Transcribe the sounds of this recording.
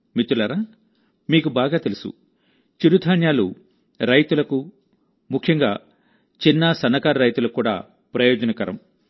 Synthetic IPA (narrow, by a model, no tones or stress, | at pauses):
mit̪ːulɐɾaː | miːkubaːɡaːt̪elusṵ | t͡ʃiɾud̪ʱaːnjaːlṵ | ɾɐjt̪ulɐku | mukʰjɐŋɡaː | t͡ʃinːɐsɐnːɐkaːɾɐɾɐjt̪ulɐkːuːɽa̰ː | pɾɐjɔːd͡ʒɐnɐkɐɾɐ̰m